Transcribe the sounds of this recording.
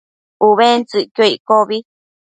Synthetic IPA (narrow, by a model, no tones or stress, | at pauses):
uβent͡sɨkjoikoβi